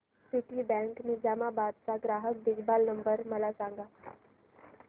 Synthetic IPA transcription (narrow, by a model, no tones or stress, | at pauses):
siʈibɛ̃ŋkmiːd͡zamabad̪̚t͡saɡɾaɦək̚bid͡ʑbalnəmbəɾməlasãŋɡa